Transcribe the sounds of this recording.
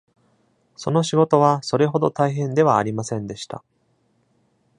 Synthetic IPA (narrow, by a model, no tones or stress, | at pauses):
so̞no̞ɕiɡo̞t̪o̞β̞aso̞ɾe̞ɦo̞d̪o̞t̪aiɦẽ̞nd̪e̞βaːɾʲimasẽ̞nd̪e̞ɕi̥t̪a̰